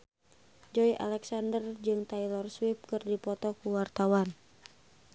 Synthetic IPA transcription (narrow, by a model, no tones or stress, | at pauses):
d͡ʒɔjʔa̰lɛksandərd͡ʒɨŋt̪ajlɔrswip̚kɨrdipɔt̪ɔkuwart̪awan